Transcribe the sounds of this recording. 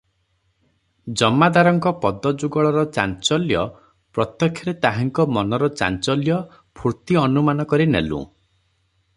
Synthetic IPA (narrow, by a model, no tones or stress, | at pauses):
d͡ʒɔmːad̪aɾɔŋkɔpɔd̪ɔd͡ʒuɡɔɭɔɾɔt͡ʃa̰nt͡ʃɔljɔ | pɾɔt̪jɔkʰjɔɾet̪aɦaŋkɔmɔnɔɾɔt͡ʃa̰nt͡ʃɔljɔ | pʰuɾt̪iɔnumanɔkɔɾinḛlṵ̃